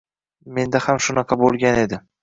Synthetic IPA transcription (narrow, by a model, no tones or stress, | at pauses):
me̞nd̪ahamʃʊnɑqʰɑbolˠɡʲane̞d̪ɪ